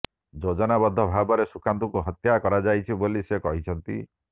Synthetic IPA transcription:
d͡ʒod͡ʒɔnabɔd̪ʱːɔbʱabɔɾesukant̪ukuɦɔt̪jakɔɾad͡ʒajt͡ʃʰibolisekɔɦit͡ʃʰɔnt̪ḭ

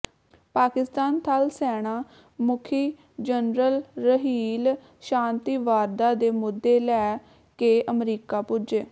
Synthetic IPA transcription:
paːkɪst̪aːnt̪ʰalsɛːɽ̃aː | mʊkʰiː | d͡ʒənɾəlɾəɦiːl | ʃaːnt̪iːʋaːɾd̪aːd̪eːmʊd̪ːeːlɛː | keːʔəmɾiːkaːpʊd͡ʒeː

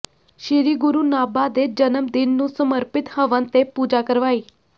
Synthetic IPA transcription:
ʃɪɾiːɡʊɾuːnaːbaːd̪eːd͡ʒənəmd̪ɪnːũːsəməɾpɪt̪həʋənt̪eːpuːd͡ʒaːkəɾʋaːiː

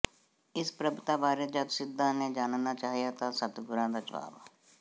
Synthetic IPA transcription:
ɪspɾəbt̪aːbaːɾed͡ʒəd̪sɪd̪ːãːnẽːd͡ʒaːnnaːt͡ʃaːɦijaːt̪ãːsət̪ɡʊɾãːd̪aːd͡ʒəʋa̰ːbaː

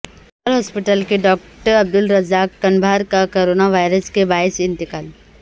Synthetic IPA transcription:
əɾɦɔːspɪʈəlkeɖɔːk̚ʈəɾɐb̚d̪ʊlɾɐzaːkːɐ̃nbʱaːɾkakoːɾoːnaʋaːɪɾəskebaːɪsɪ̃nt̪ɪkaːl

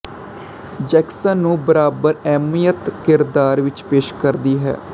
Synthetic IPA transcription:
d͡ʒɛːksənːũːbəɾaːbəɾɛːmiːjət̪kɪɾd̪aːɾʋɪt͡ʃpeːʃkəɾd̪iːɦɛ̰ː

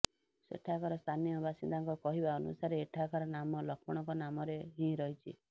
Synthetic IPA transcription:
sḛʈʰakɔɾɔst̪ʰanijɔbasind̪aŋkɔkɔɦibaɔnṵsaɾeːʈʰakɔɾɔnamɔlɔkʰmɔɽ̃ɔŋkɔnamɔɾeɦĩɾɔɦit͡ʃʰḭ

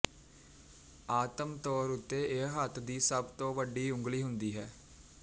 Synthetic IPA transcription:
aːt̪əmt̪ɔːɾʊt̪ːeːeɦət̪ʰd̪iːsəbt̪õːʋəɖiːʊ̃ŋɡliːɦʊnd̪iːɦɛː

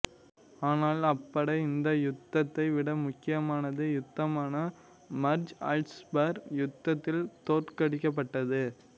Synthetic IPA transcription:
aːnaːlɐpːɐɽɐɪɪnd̪ɐjʊt̪ːɐt̪ːɐɪʋɪɽɐmʊkːɪjɐmaːnɐðɯjʊt̪ːɐmaːnɐ | mɐɾd͡ʒɐ̰lʈsbɐɾjʊt̪ːɐt̪ːɪlt̪oːʈkɐɽɪkːɐp̬ːɐʈːɐðɯ

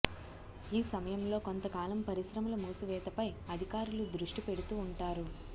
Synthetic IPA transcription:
iːsɐmɐjɐmlo̞ːko̞nt̪ɐkaːlɐmpɐɾisɾɐmɐlɐmuːsuʋɛːt̪ɐpɐjɐd̪ʱikaːɾulud̪ɾuʂʈipe̞ɽut̪uːɳʈaːɾu

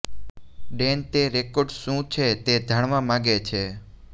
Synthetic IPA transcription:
ɖent̪eɾekoɖʃũt͡ʃʰet̪ed̪ʱəɳʋãmãɡet͡ʃʰe

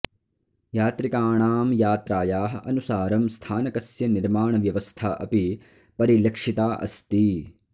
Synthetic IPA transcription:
jaːt̪ɾikaːɳaːmjaːt̪ɾaːjaːɦɐʔɐnusaːɾɐmst̪ʰaːnɐkɐsjɐniɾmaːɳɐʋjɐʋɐst̪ʰaʔɐ̰pi | pɐɾilɐkʂit̪aːʔɐ̰st̪i

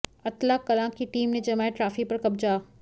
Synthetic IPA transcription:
ɐt̪laːkːɐlãːkːiʈiːmnẽd͡ʑɐmaːeʈɾaːfipɐɾkɐb̚d͡ʒaː

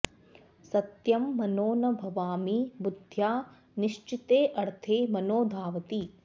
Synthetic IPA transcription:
sɐt̪jɐmːɐnoːnɐbʱɐʋaːmibud̪ʱjaː | niʂt͡ʃit̪eːʔɐɽt̪ʰeːmɐnoːd̪ʱaːʋɐt̪i

